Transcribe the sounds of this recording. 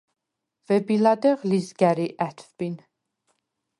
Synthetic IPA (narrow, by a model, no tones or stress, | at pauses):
vɛbilad̪ɛʁlizɡæɾiʔæt̪ʰvb̥in